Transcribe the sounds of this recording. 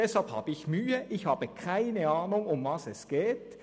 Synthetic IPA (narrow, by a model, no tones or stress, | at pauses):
ɛshalpha̰ːbəɪçmyːəʔɪçhaːbəkʰaɪnəaːnʊŋʊmvɑsɛsɡ̥eːt